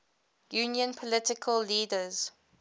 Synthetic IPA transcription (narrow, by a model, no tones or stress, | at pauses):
junjə̃npʰɔlɪtɪkʰəlːiːdəz̥